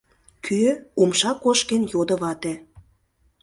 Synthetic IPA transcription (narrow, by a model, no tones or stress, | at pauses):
kʰyumʃɑkoʃkenjod̪ə̆βɑt̪ĕ